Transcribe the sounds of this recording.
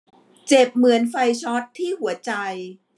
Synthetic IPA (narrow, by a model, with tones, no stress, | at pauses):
t͡ɕe˨˩p̚mɯ˩˦ənfa˧jt͡ɕʰɔ˦˥t̪ʰːiː˥˩hu˩˦ɐt͡ɕa˧j